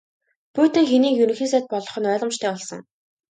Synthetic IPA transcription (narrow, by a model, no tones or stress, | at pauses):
puːt̪ɘ̆ŋxeniːkjɵɾɵ̆ŋxiːs̬æt̪̚pɔɮɞ̆χɞ̆nœːɮɞ̆mt͡ɕt̪ʰæːɔɮsɞ̰̆ŋ